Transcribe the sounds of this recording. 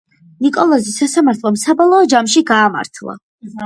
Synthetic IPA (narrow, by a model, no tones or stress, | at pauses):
nikʼɔlˠɔzisːasamaɾt̪ʰlˠɔmsabɔlˠɔːd͡ʒamʃiɡaːma̰ɾt̪ʰlˠa̰